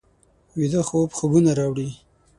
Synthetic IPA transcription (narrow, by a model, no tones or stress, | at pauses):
wid̪əxobxəɡunaɾɑwɽi